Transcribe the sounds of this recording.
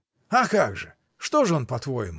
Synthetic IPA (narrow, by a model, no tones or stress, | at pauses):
akaɡʐɨ | ʂt̪oʐɨonpɐt̪vojɪ̰mʊ